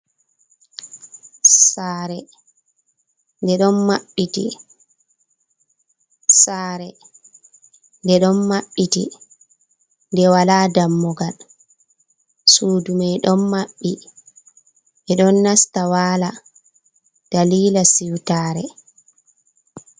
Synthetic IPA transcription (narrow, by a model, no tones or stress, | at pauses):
saːɾɛ | ndɛɗɔnmaɓːitḭ | saːɾɛ | ndɛɗɔnmaɓːitḭ | ndɛwaladamːɔɡal | suːdumajɗɔnmaɓːi | ʔɛɗɔnːastawaːla | d̥aliːlasiwtaːɾɛ̰